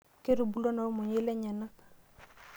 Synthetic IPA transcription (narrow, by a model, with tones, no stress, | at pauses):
ke˦ɾu˨bu˨lo˦na˨wmu˨ɲi˦lɛ˦ɲa˨na˦